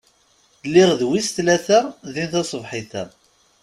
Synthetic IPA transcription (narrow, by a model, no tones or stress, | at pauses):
lːɪʁðwisθlæθæðinθɑsˤvħiθæ